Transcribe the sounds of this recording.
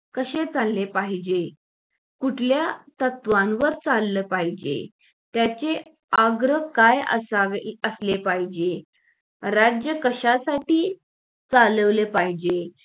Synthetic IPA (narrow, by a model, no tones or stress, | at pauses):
kəɕet͡salːepaɦid͡ʑe | kuʈʰljat̪ət̪ʋãnʋəɾt͡salːəpaɦid͡ʑḛ | t̪jat͡ɕe | aɡɾəkajə̰saʋeəslepaɦid͡ʑe | ɾad͡ʑjəkəɕasaʈiː | t͡saləʋlepaɦid͡ʑe